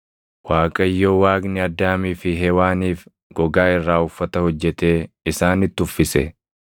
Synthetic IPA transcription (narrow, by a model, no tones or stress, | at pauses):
waːkʼɐɪjːoːwaːɡnɪɐd̪ːaːmiːfɪɦeːwaːniːf | ɡ̥ɔɡaːɪrːaːʊfːɐt̪ɐhɔd͡ʒːɛt̪e̞ː | ɪsaːnɪt̪ːʊfːɪsɛ̰